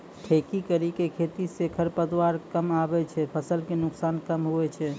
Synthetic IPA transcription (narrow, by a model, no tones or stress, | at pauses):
ʈʰekikəɾikekʰet̪isekʰəɾpəd̪waɾkəmabɛt͡ʃʰɛpʰəsəlkenʊksankəmɦuɛt͡ʃʰɛ